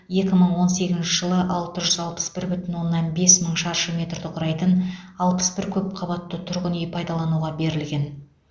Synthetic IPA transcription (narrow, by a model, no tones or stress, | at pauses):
je̞kʲɪməɴwo̞nse̞ɡʲɪzɪnʃɪʒəlˠəʔɑlˠt̪əʒʏzɑlˠpə̥sbɪɾbʏt̪ɪnwo̞nːɑnbe̞sməɴʃɑɾʃəmʲe̞t̪rd̪ɪqʰʊɾɑjt̪ənɑlˠpə̥sbɪɾkʲʰɵp̚qʰɑbɑt̪ːət̪ʰʊɾʁənejpʰɑjd̪ɑlˠɑnuʁɑbe̞ɾɪlɡʲe̞n